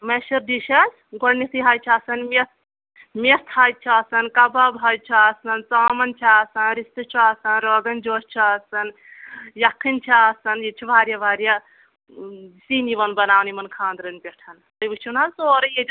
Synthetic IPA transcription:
meʃɐɾɖiʃɐs | ɡɐɽnit̪ʰiɦaːjt͡ʃʰaːsɐnmes | mest̪ʰaːj̪̚t͡ʃʰaːsɐnkɐbabɦaj̪̚t͡ʃʰaːsɐnt͡saːmɐnt͡ʃʰaːsɐnɾist̪ɨt͡ʃʰiaːsɐnɾoːɡɐnd͡ʒoːst͡ʃʰaːsɐn | jɐkʰːint͡ʃʰaːsɐnjit͡ʃʰibʱaːɾjabʱaːɾja | siːniʋɐnbɐnaːwnimɐnkʰãːnd̪ɾɐnpʲeʈʰɐnt̪ɐjbɨt͡ʃʰunalsoːɾɐjed͡ʒ

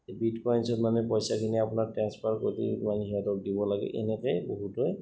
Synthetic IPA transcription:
bitkɔjnsɔtmanɛpɔjsakʰiniapunaɹtɹɛnspʰaɹko̰ɹitḭmanɛɦiatɔk̚dibɔlaɡɛ̰ʔɛ̰nɛkɛboɦutɔj

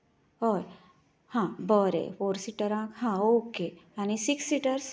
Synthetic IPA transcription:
ɦoj | hãːbɔɾḛfoːɾsiʈəɾãːkhãokejanisiksːiʈəɾs

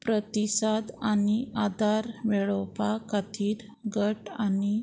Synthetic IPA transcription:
pɾət̪isad̪aniʔad̪ʱaɾʋɛɭɔpakat̪ʰiːɾ | ɡəʈani

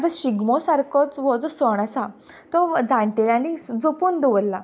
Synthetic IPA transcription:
t̪aɕiɡmɔsaɾkɔt͡sʋɔd͡zɔsɔɳ̃asa | t̪ɔd͡zãɳʈelãlid͡zopuːnd̪eʋəlla

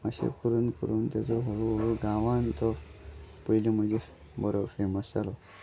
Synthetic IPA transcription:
əɕḛkəɾuːnkə̰ɾuːnt̪jat͡sɔɦoɭuɦoɭuɡãʋant̪ɔ | pəjlim̤əɳd͡ʑe | bəɾofeməsalɔ

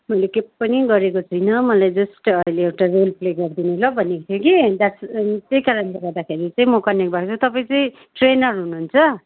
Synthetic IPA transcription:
mʌjlekeppʌniɡʌɾekot͡sʰʌjnʌmʌlajd͡zʌsʈʌileːwʈarolpleɡʌrd̪inulʌbʱʌnekot̪ʰjokid̪ast̪jejkaɾʌnleɡʌrd̪akʰeɾit͡sʌ̃ĩmʌkʌnek̚bʱakt͡sʰut̪ʌpaĩt͡sʌĩ | ʈrenʌrɦunuɦnt͡sʰʌ

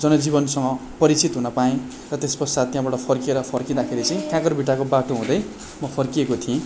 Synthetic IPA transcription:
d͡zʌnʌd͡ziβʌnsʌŋʌpʌɾit͡sit̪ɦunʌpaĩ | rʌt̪espʌsad̪̚t̪jãbaʈʌpʰʌrkieɾʌpʰʌrkid̪akʰeɾit͡sʌj̃kãkʌɾbiʈːakobaʈoɦũd̪ʌj | mʌpʰʌrkiekot̪ʰiẽ

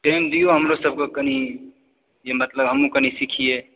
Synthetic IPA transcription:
ʈeɪmd̪ijoɦəmɾosəb̚kekəni | jemət̪ləbɦəmũkənisikʰije

